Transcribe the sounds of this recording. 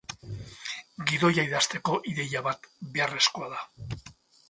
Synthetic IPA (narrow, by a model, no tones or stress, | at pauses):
ɡiðo̞jaiðast̪e̞ko̞ʔiðe̞jaβat̪be̞are̞sko̞aða